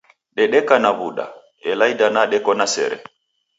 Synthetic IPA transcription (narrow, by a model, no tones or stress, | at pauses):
ɗɛɗɛkanaβuɗa̰ | ɛlajdanaɗɛkɔnasɛ̰ɾɛ̰